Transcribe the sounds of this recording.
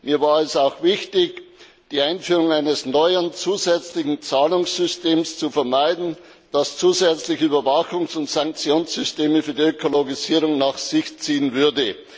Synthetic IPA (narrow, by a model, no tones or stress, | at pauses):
miːɐvaːɐɛsaʊxv̥ɪçtɪç | d̥iːaɪnfyːʁʊŋaɪnəsnɔʏənt͡suːzɛt͡slɪçn̩t͡saːlʊŋsz̥ʏsteːmst͡sufɛɐmaɪdn̩ | d̥ast͡suːzɛt͡slɪçəyːbɐvaxʊŋsʊntsaŋk̚t͡sjoːnsz̥ʏsteːməfyːɐdiøkʰoloɡiziːʁʊŋnaxsɪçt͡siːənvʏɐdə